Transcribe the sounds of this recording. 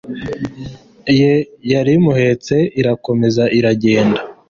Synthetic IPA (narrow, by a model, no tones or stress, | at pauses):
ijejaɾimuhe̞ːt͡se̞iɾako̞me̞zaʔiɾaɟe̞ːnda